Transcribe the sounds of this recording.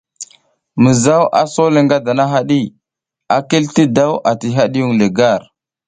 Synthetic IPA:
mə˨za˦wʔa̰˨so˦le˨ŋɡa˦da˨na˦ɦa˦ɗi˦ | a˨ke˦lti˦da˦wʔa˨ti˨ɦa˦ɗi˦ju˦ŋle˨ɡa˦˨ɾ

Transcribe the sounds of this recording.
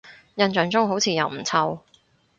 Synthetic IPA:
jɐ˨˧nt͡ʃœː˨˧ŋt͡sʊ˥ŋɦo˨˥wt͡sʰiː˨˧jɐ̰˨˩wm̩˨˩t͡sʰɐ˧w

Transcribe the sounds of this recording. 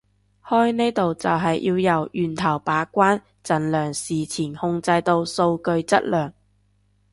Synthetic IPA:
hɔː˥jne˥jt̪o˨wt͡sɐ˨wɦɐ˨jʔiː˧wjɐ˨˩wjyː˨nt̪ʰɐ˨˩wpaː˨˥kʷaː˥n | t͡sɐ˨˩nlœː˨˩ŋsiː˨t͡sʰiː˨˩nhʊ˧ŋt͡sɐ˧jt̪o˧wso˧wkɵ˧ɥt͡sɐ̰˥t̚lœː˨˩ŋ

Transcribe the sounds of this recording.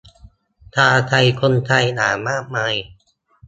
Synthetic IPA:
t̪ʰaː˧˩t̪ʰa˧jkʰo˧nt̪ʰa˧jnaː˩˦maː˥˩k̚maː˧j

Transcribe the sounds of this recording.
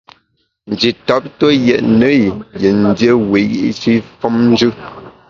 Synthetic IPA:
n̩˨d͡ʒi˨tɔ˦p̚tə˦jɛ̰˨ʔnə˨˦jje˨n̩˦dje˦we˨˦jḭ˦ʔt͡ʃi˦fɔ˦mn̩˦d͡ʒʉ˦

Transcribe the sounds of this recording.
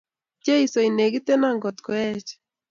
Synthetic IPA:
t͡ʃe˦i˨so˨i˨ne˨ɡi˦te˦na˦˨ŋɡɔ˨t̪kɔ˨ɛ˦t͡ʃ

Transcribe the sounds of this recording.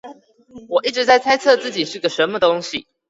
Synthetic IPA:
wɔ˨˩i˥˩ʈ͡ʂɻ̩˧˥t͡sa˥˩ɪt͡sʰa˥ɪt͡sʰɤ˥˧t͡sɹ̩˥˩t͡ɕi˨˩ʂɻ̩˥˩ɡə˨˩ʂə˨˦nmə˨t̪ʊ˥ŋɕi˨

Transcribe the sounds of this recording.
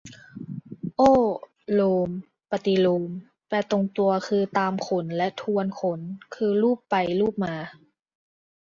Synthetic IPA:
ʔoː˥˩ | loː˧m | pa˧t̪i˧loː˧m | p̪ɛː˧t̪o˧ŋt̪u˧ɐkʰɯː˧t̪aː˧mkʰo˨˦nlɛ˦˥ʔt̪ʰu˧ənkʰo˨˦nkʰɯː˧luː˥˩pːa˨jluː˥˩p̚maː˧˩

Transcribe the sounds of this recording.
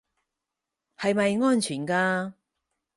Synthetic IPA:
hɐ˨jmɐ˨jŋɔː˥nt͡ʃʰyː˨˩nkaː˧

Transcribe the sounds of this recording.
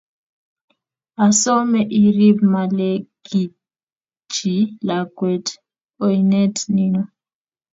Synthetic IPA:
a˨sɔ˦mɛ˨ʔi˨ɾi˦bma˨lɛ˦ɡ̥i˨ | d͡ʒi˨la˨ɡwɛ˨t | o˨i˨nɛ˦tni˦nɔ˨

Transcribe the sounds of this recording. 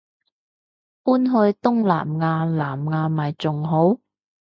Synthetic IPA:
ʔuː˥nɦɵ˧ɥt̪ʊ˥ŋla̰ː˨˩mŋaː˧laː˨˩mŋaː˧mɐ˨˩jt͡sʊ˨ŋɦo˨˥w

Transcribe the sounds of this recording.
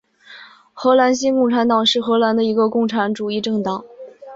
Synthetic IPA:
xɤ˧˥la˧˥nɕ̬i˥kʊ˥˩ŋʈ͡ʂʰa˧˥nt̪ɑ˨˩ŋʂɻ̩˥˩xɤ˧˥la˧˥nd̪ə˧i˧˥ɡə˧kʊ˥˩ŋʈ͡ʂʰa˧˥nʈ͡ʂu˨˩i˥˧ʈ͡ʂɤ˥˩ŋt̪ɑ˨˩˦ŋ

